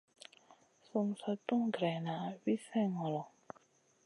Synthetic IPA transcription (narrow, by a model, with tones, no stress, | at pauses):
su˥˨msa˨tu˥˨ŋɡɾɛ˩˨na˨wi˦˨sɛ̃˥˨ŋɔ˨lɔ˨